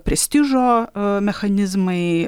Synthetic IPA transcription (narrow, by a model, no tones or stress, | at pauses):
pɾʲɪsʲtʲiʐomʲɛxɐnʲizmɨ